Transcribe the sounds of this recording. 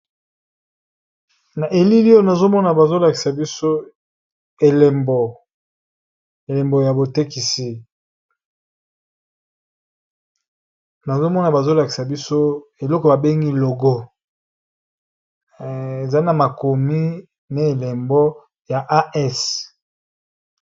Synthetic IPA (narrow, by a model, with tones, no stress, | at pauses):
na˨ʔe˨li˦li˦o˦na˨zo˦mɔ˦na˨ba˨zo˦la˨ki˨sa˨bi˦so˦ | e˨le˨mbo˨ | e˨le˨mbo˨ja˨bo˨te˦ki˨si˦ | na˨zo˦mɔ˦na˨ba˨zo˦la˨ki˨sa˨bi˦so˦e˨lɔ˦kɔ˨ba˨be˦ŋɡi˦lo˨ɡɔ˦ | e˨za˦na˨ma˨ko˨mi˦ | na˦e˨le˨mbɔ˦ | ja˨ʔa˦ʔɛ˦s